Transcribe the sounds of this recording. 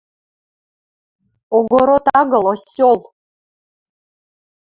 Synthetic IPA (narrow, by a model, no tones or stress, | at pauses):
oɡoɾot̪ɑɡɤlˠosʲːolˠ